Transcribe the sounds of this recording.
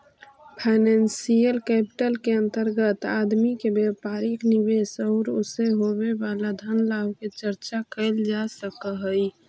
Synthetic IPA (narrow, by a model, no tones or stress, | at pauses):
pʰaɪnɛnsijəlkɛpi̥ʈəlkeə̃nt̪əɾɡət̪ad̪mikebepaɾikniβesɔʊɾoseɦoβebalad̪ʱənlabket͡ʃəɾt͡ʃakəɪld͡ʒasəkəɦəj